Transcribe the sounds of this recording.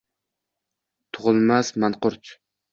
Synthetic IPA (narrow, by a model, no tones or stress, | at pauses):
t̪ʰʊʁɨlˠmasmanqʊɾt͡ʃ